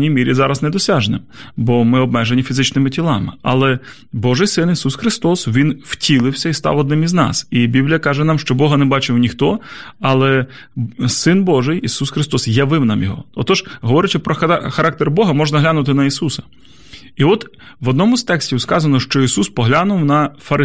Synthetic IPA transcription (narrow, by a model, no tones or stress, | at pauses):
nʲijmʲiɾʲizɑɾɐznɛd̪ɔsʲaʒnɪ̰mbɔmɪɔb̚mɛʒenʲifʲizɪt͡ʃnɪmɪtʲilˠɑmɪ̰ɐ̰lˠɛ | bɔʒɪjsɪnisusxɾɪst̪ɔsʋʲinwtʲilˠɪwsʲɐist̪ɑ̰wɔd̪nɪmiznɑ̰sibʲiblʲijɐkɑʒɛnɑmʃt͡ʃɔbɔɦɐnɛbɑt͡ʃɪwnʲixt̪ɔɐlˠɛ | sɪnbɔʒɪjisusxɾɪst̪ɔsjɐʋɪwnɑmjɔɦɔ̰ɔt̪ɔʒɦɔʋɔɾɪt͡ʃɪpɾɔxxɐɾɑk̚t̪erbɔɦɐmɔʒnɐɦlʲanʊt̪ɪnɐisusɐ̥ | iɔt̪ | ʋɔd̪nɔmʊzt̪ɛksʲtʲiwskɑzɐnɔʃt͡ʃɔisuspɔɦlʲanʊwnɐfɐɾɪ